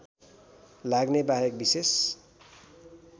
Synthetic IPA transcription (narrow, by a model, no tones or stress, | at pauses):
laɡnebaɦjʌk̚bises